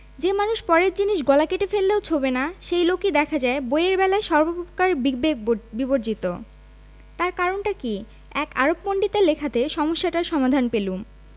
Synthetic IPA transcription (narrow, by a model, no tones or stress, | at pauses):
d͡ʑemanuʃpɔɾeɾd͡ʑiniʃɡɔlakeʈefelːeot͡ɕʰobenaʃejlokid̪ɛkʰad͡ʑaeboeeɾbɛlaeʃɔɾbopookaɾbiɡ̚bek̚biboɾd͡ʑit̪o̰ | t̪aɾkaɾonʈaki | ɛka̰ɾopmoɳɖit̪alekʰat̪eʃɔmoʃːaʈaɾʃɔmad̪ʱanpelum